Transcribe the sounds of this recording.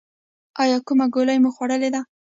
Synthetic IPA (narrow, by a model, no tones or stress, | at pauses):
ɑjɑkumaɡoləjmoxwaɽəled̪a